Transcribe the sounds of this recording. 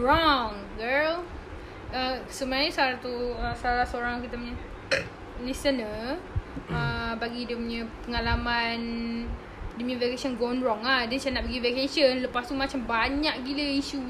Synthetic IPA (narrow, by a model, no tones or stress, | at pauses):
ɹɔŋ | ɡəl | əsəmaɲəsaɾat̪uəsaɾasoɾaŋkit̪əməɲə | lisənə | əbaɡidəməɲə̃pəŋalaman | dəmĩvekesɔnɡɔnɾɔŋahdəsanaʔbəɡivekesənləpast̪umat͡ʃambaɲaʔɡiləiʃu